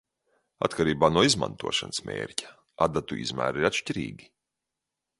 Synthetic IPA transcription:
a̰t̪kaɾiːbaːnuɔizmã̰nt̪ṵɔʃansmʲḛːɾʲcʲḁ | a̰d̪at̪uʔḭzmæ̰ːɾiɾat̪ʃciɾḭːɡʲi

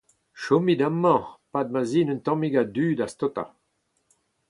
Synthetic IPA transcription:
ʃɔmid̪amːɑ̃pad̪̚maziːnỹnt̪ɑ̃miɡad̪yːdast̪ɔt̪a̰

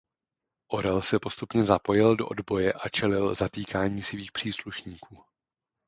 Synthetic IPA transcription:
ʔo̞ɾɛlsɛpo̞st̪upɲɛzapo̞jɪldo̞ʔodbo̞jɛʔat͡ʃɛlɪlzat̪iːkaːɲiːsviːxpr̥iːsluʃɲiːkuː

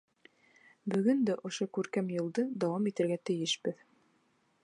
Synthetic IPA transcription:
bɵ̆ɡɵnd̪æʔŏʃokʉɾkæmjŏlˠd̪ɤd̪ɑwɑmit̪ɘ̆ɾɡæt̪ɘ̆jɘʃbɘð

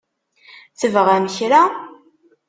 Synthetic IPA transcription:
θəvəʁæməçɾa

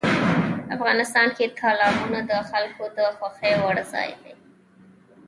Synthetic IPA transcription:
afɣɑnɪst̪ɑnket̪ʰɑlɑbunad̪əxalkod̪əxwaxəjwaɽzɑ̰jd̪ej

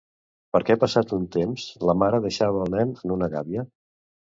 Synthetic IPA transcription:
pəɾkɛpəsat̪unt̪emzləmaɾəðəʃaβəːlˠnɛnənunəɣaβiə

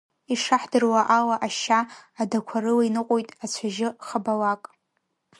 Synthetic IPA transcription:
iʂaħdɨrwaʔalaʔaʃaːdakʷʰarɨlainɨqʷʼojtʼat͡ɕʷʰaʒɪχabalakʼ

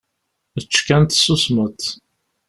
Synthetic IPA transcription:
ət͡ʃːkænt̪susmət̪

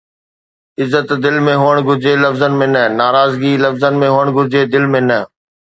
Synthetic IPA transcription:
ɪzːət̪d̪ɪlmẽɦoːəɽ̃ɡʊɾd͡ʑelɐfzənmẽnənaːɾaːzɡiːlɐfzənmẽɦoːəɽ̃ɡʱʊɾd͡ʑeːd̪ɪlmẽnə

